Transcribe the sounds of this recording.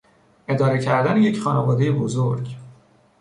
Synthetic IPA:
ʔe̞d̪ɒːɾecʰæɾd̪æneje̞cχɒːnevɒːd̪e̞jebozoɾɟ

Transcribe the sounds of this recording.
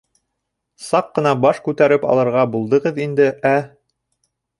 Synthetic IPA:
sɑqːɤ̆nɑbɑʃkʉt̪æɾɘpɑ̰lˠɤ̆ɾʁɑbulˠd̪ɤ̆ʁɤðind̪ɘʔæ

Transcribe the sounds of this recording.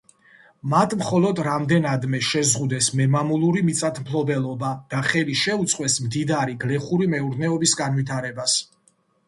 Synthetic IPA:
mat̪ʰmχɔlɔd̪ɾamd̪ɛnad̪mɛʃɛzʁud̪ɛsmɛmamulˠuɾimit̪sʼat̪ʰmpʰlɔbɛlˠɔbad̪̥aχɛliʃɛut̪sʼqʼwɛsmd̪id̪aɾiɡlɛχuɾimɛuɾnɛɔbisɡanvwit̪ʰaɾɛbas

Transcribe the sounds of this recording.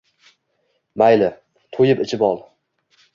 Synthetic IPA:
majlɪ | t̪ʰojɪpɪt͡ʃʰɪpɒlˠ

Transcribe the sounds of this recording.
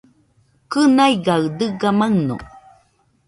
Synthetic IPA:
kɯnajɡad̪ɯɡamaŋno̰

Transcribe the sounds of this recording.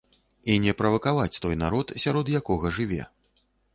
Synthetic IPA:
inʲɛpɾɐvɐkavat͡sʲt̪ɔjnaɾɔt̪sʲaɾɔd̪jakɔɣɐʐɨvʲɛ̰

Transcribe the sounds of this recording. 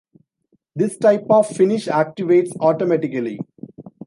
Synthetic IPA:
d̪ɪsʈaɪpɔʋfɪnɪʃæːk̚ʈɪʋeːʈsɔːʈomæʈɪkəli

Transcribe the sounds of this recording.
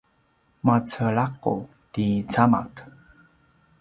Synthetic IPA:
mat͡səɭaqṵ | tit͡sama̰k

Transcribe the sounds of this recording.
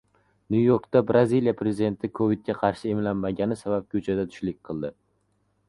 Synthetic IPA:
nujoɾkt̪abɾazilijapʰɾezid̪e̞nt̪ʰɪkʰovit̪̚kʲaqʰɑɾʃɪemlanmaɡʲanɪsabap̚kʲʰɵt͡ʃʰad̪at̪ʰʊ̥ʃlɪk̚ʲqʰɨlˠd̪ɪ

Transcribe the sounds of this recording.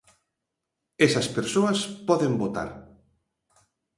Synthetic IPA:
esɐspeɾsoɐspɔðembot̪a̰ɾ

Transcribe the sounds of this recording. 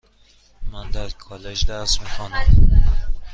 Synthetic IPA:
mænd̪æɾkʰɒːled͡ʒd̪æst̪mixʰɒnæm

